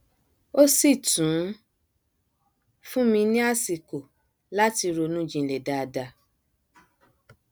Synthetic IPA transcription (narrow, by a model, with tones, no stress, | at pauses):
o˦si˦˨tũ˨˦ | fũ˦mĩ˧nĩ˦a˦˨si˨ko˨ | la˦ti˧ɾo˧nũ˦d͡ʒĩ˧˨lɛ˨da˨˧da˧